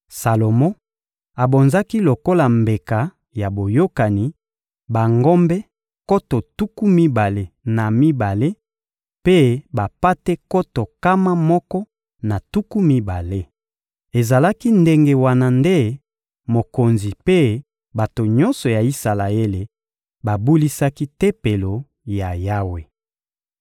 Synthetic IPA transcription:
sa˨lo˨mɔ̃˦ | a˨bo˨nza˦ki˦lo˨ko˦la˨mbe˨ka˨ | ja˨bo˨jo˦ka˨ni˨ | ba˨ŋɡɔ˦mbɛ˦ | ko˦to˨tu˦ku˦mi˦ba˨le˨na˨mi˦ba˨le˦ | pe˦ba˨pa˦te˦ko˦to˨ka˦ma˦mɔ˦kɔ˦ | na˨tu˦ku˦mi˦ba˨le˦ | e˨za˨la˦ki˦nde˦ŋɡe˨wa˦na˨nde˦ | mo˨ko˨nzi˨pe˦ | ba˨to˨ɲɔ̃˦nsɔ˨ja˨i˦sa˨la˨e˦le˨ | ba˨bu˦li˦sa˦ki˦te˦pe˨lo˨ | ja˨ja˦we˨

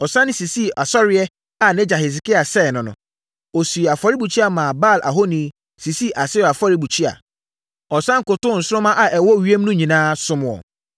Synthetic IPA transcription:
ɔ˨sã˦nɪ̃˦si˨si˦ʔa˨sɔ˦ɾɪ˦ɛ˦ | a˨nɪ̃˦d͡ʑa˨hi˨s̬ɪ˨ki˦a˨sɛ˦˨nʊ̃˨nʊ̰̃˨ | ɔ˨su˨a˨fa˦ɾi˦bu˨t͡ɕʰi˦a˨mãː˨ba˦˨lʔa̰˨ɦo˦nĩ˨˦ | si˨si˦ʔa˨sɪ˦˨a˨fɔ˦ɾi˦bu˨t͡ɕʰi˦a̰˨ | ɔ˨sã˦ŋ̩˨kʊ˨tʊ̃˦˨n̩˨sʊ˦ɾʊ̃˦mã˦ʔa˨ʔɛ˨wɔ˦˨ɥi˦e˦m˦nʊ̃˦ɲĩ˨nãː˦sʊ̃˦m̃˨ɔ̰˨

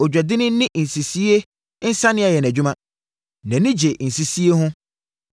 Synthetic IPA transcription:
ɔ˨d͡ʑᶣɛ˨dɪ˦nɪ̃˦nɪ̃˦ʔn̩˨si˨si˦e˦ | n̩˦sã˦nɪ̃˦a˨jɛ˨næ˨d͡ʑᶣu˦mã˦ | nã˨nĩ˦d͡ʑe˨n̩˨si˨si˦e˦ɦʊ̃˦

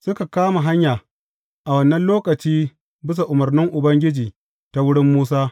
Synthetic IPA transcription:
sʊ˦ka˨kaː˦ma˨ɦa˦ɲjaː˨ | ʔa˨wɐ˦nːɐ˦nloː˦kɐ˨t͡ʃiː˦ | bɪ˦s̬a˨ʔʊ˨mɐ˨rnɪ˦ŋʔʊ˨bɐ˦ŋɡʲɪ˦d͡ʒiː˨ | ta˨wʊ˦ɽɪ˦mːuː˦s̬aː˦

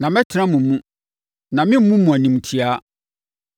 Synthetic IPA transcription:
nã˨mɛ˦tʰɪ˦ɾã˦mũ˨mũ˦ | nã˨mɪ̃˦m̩˦mũ˦mũ˨æ˨nĩ˨m˨tʰi˨a˦

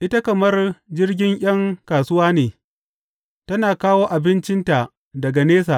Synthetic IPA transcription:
ʔɪ˦ta˦kɐ˨mɐ˦rd͡ʒɪ˦rɡʲɪ˦ŋʔʲɐ˦ŋkaː˨sʊ˦waː˦neː˨ | tɐ˦naː˨kaː˦woː˦ʔa˨bɪ˦nt͡ʃɪ˦nta˨ʔ | dɐ˨ɡa˨neː˦saː˨

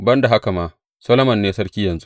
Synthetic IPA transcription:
bɐ˦nda˨ɦa˦ka˨maː˦ | sɐ˦loː˦mɐ˨nːeː˦sɐ˦ɽkʲiː˦jɐ˨nzu˦ʔ

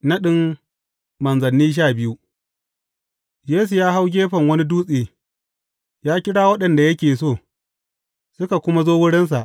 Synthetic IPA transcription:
na˦ɗɪ˦m | mɐ˨nzɐ˨nːiː˦ʃ̬aː˦˨bɪ˦ju˦ | jeː˦s̬u˨jaː˦ɦa˦wɡʲeː˦ɸɐ˨ŋwɐ˦ni˦duː˦sʼeː˨ | jaː˦kʲɪ˦ɽaː˦wɐ˦ɗɐ˨nda˨jɐ˦kʲeː˨soː˦˨ | sʊ˦ka˨kʷʊ˦ma˦zoː˦wʊ˦ɽɪ˦ns̬a˨ʔ

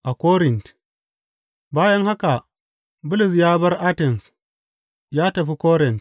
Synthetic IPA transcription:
ʔa˨kʷoː˦ɾɪ˨nt | baː˦jɐ˦ŋha˦ka˨ | bʊ˦lʊ˨s̬jaː˦bɐ˦rʔa˦tɛ˨ns | jaː˦tɐ˨ɸi˦koː˦ɾɪ˨nt

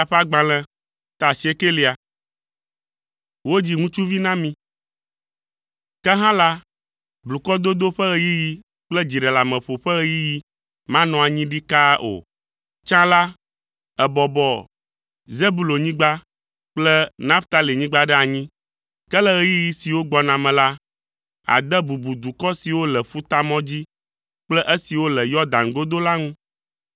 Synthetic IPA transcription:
a˨ɸa˦ɡ͡bã˨lɛ̃˦ | t̪a˨si˨˦e˦ke˦li˨a˨ | wo˦d͡ʑi˦ŋũ˦t͡ʃu˦vi˦nã˦mĩ˦ | kɛ˦ɦã˦la˦ | blu˨kɔ˦d̪o˦d̪o˦ɸɛ˦ɣɛ˦ji˦ji˦ | k͡plɛ˦d͡ʑi˨ɖɛ˨la˨mɛ̃˨ɸo˨ɸɛ˦ɣɛ˦ji˦ji˦ | mã˦nɔ̃˨a˨ɲĩ˦ɖi˦ka˦ʔo̰˨ | t͡ʃã˦la˦ | ɛ˨bɔ˨bɔ˦ | ze˦bu˨lo˨ɲĩ˦ɡ͡ba˦ | k͡plɛ˦nã˦ft̪a˦li˨ɲĩ˦ɡ͡ba˦ɖɛ˦a˨ɲĩ˦ | kɛ˦lɛ˦ɣɛ˦ji˦ji˦si˨wo˦ɡ͡bɔ˨nã˨mɛ̃˨la˦ | a̰˨d̪ɛ˦bu˨bu˨d̪u˨kɔ˦si˨wo˦lɛ˨ɸu˦t̪a˦mɔ̃˦d͡ʑi˦ | k͡plɛ˦ʔe˦si˨wo˦lɛ˨jɔ˦d̪ã˨nɡo˦d̪o˦la˦ŋũ˦

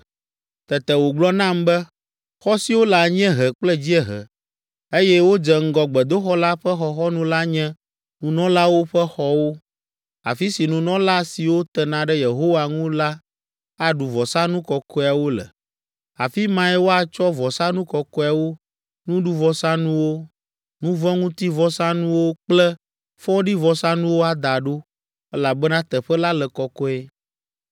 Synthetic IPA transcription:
t̪ɛ˨t̪ɛ˨wo˨ɡ͡blɔ˦nã˦mbɛ˦ | xɔ˦si˨wo˦la˨ɲɛ̃˦ɦɛ˨k͡plɛ˦d͡ʑi˦ɛ˦ɦɛ̰˨ | e˦jɛ˦wo˦d͡ʒɛ˨ŋ̩˦ɡɔ˨ɡ͡bɛ˨d̪o˦xɔ˦la˦ɸɛ˦xɔ˨xɔ˦nũ˦la˦ɲɛ̃˦ | nũ˨nɔ̃˦la˦wo˦ɸɛ˦xɔ˦wo˦ | a̰˨fi˦si˨nũ˨nɔ̃˦la˦si˨wo˦t̪ɛ˨nã˨ɖɛ˦je˨ɦo˦wa˨ŋũ˦la˦ | a˦ɖu˨vɔ˨sa˦nũ˦kɔ˨kɔ˦a˨wo˦lɛ̰˨ | a˨fi˦mã˦ɛ˦wo˦a˨t͡ʃɔ˦vɔ˨sa˦nũ˦kɔ˨kɔ˦a˨wo˦ | nũ˦ɖu˦vɔ˨sã˦nũ˦wo˦ | nũ˦vɔ̃˦ŋũ˦t̪i˦vɔ˨sã˦nũ˦wo˦k͡plɛ˦ | fɔ˦ɖi˦vɔ˨sa˦nũ˦wo˦a˦d̪a˨ɖo˦ | ɛ˦la˨bɛ˦nã˦t̪ɛ˨ɸɛ˦la˦lɛ˨kɔ˨kɔ˦ɛ˦

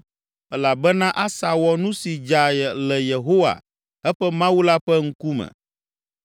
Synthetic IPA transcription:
ɛ˦la˨bɛ˦nã˦ʔa˦sa˨wɔ˨nũ˦si˨d͡ʒa˨jɛ˨lɛ˨je˨ɦo˦wa̰˨ | ɛ˦ɸɛ˦mã˦wu˦la˦ɸɛ˦ŋ̩˦ku˦mɛ̰̃˨

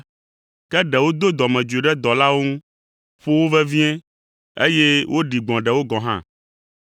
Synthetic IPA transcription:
kɛ˦ɖɛ˨wo˦d̪o˦d̪ɔ˨mɛ̃˨d͡ʒe˨ɖɛ˦d̪ɔ˨la˦wo˦ŋũ˦ | ɸo˦wo˦vɛ˦vi˦ɛ̃˦ | ḛ˦jɛ˦wʔo˦ɖi˨ɡ͡bɔ̃˨ɖɛ˨wo˦ɡɔ̃˨ɦã̰˦

